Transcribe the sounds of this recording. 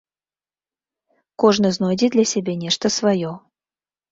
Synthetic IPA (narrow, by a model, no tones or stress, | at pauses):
kɔʐnɨznojdʲɪd̪lʲɐsʲɛbʲenʲɛʂt̪əsvajɔ